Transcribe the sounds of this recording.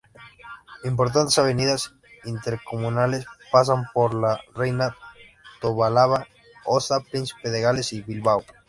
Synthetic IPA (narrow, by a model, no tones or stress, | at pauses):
impo̞ɾt̪̬ant̪esaβ̞eniðas | int̪eɾkomũnalespas̬ampoɾlarejna | t̪oβalaβa | osapɾinsi̥peðeɣalesiβilβaw